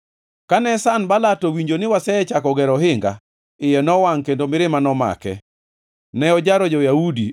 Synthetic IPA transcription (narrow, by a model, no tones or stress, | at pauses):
kanɛsanbalatɔwiɲd͡ʒonɪwasɛɛt͡ʃakɔɡɛɾɔɦɪŋɡa̰ | ɪjɛnɔwaŋkendomɪɾɪmanɔma̰kɛ̰ | nɛɔd͡ʒaɾɔd͡ʒɔjaudi